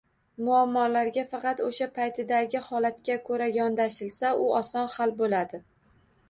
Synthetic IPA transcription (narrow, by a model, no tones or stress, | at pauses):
mʊamːɒlaɾɡʲafɑqʰɑt̪oʃapʰajt̪ʰɪd̪aɡʲɪhɒlat̪kʲakʰoɾajɒnd̪aʃɪlsaʊɒsɒnhalbolad̪ɪ